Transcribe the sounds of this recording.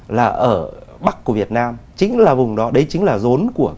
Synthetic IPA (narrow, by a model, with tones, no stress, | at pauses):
laː˨˩ʔəː˧˩ɓa˦˥k̚kːu˧˩vi˨˩ət̚naː˧mt͡ɕï˨˦ŋ̟laː˨˩vʊ˨˩ŋ͡mɗɔ˨˦ɗə˨˦jt͡ɕï˨˦ŋ̟laː˨˩zo˨˦nku˧˩ə